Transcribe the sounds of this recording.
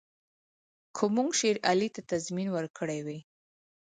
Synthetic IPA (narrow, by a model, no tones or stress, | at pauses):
kʰʊmuŋɡʃeɾalit̪at̪azminwəɾkʰəɽajwe